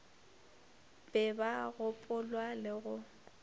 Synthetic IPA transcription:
bʼɛbaɣʊpʼʊlwalɪɣʊ

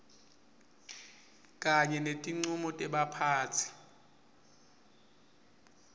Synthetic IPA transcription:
kʼaɲɛnetʼiŋ͡ǀumɔtʼɛɓapʰaːt͡sʰi̥

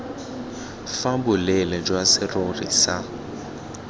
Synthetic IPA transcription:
fabʊlɛlɛd͡ʒwasɪrorḭsa

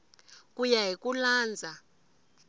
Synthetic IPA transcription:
k̬ʼujaɦikulaːnd͡zʱa

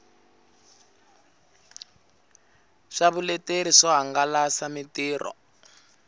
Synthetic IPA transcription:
ʂaβulɛteɾiʂɔɦaŋɡalasamitiːrɔ̰

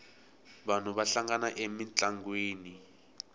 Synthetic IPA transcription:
βan̤uβaɬaŋɡanaʔemit͡ɬaŋɡweːni

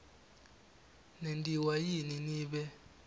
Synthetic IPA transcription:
nendʱʼiwajininiːɓɛ

